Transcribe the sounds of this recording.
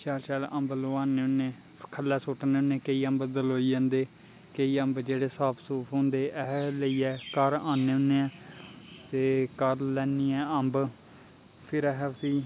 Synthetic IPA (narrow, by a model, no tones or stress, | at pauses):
t͡ʃɛːlt͡ʃɛːləmbloːãːneːʊnːeː | kʰəlːɛːsoːʈneːʊnːẽːkəiːəmbd̪əloːiːd͡ʒãːnd̪eː | kəiːəmbd͡ʒeːɽeːsaːpʰsuːpʰɦõːnd̪eːʔɛɦləiːɛːkəɾaːneːʊ̃nːeɛ̃ːt̪eːkəɾlɛːniːɛːəmb | pʰɪɾɛɦɛsiː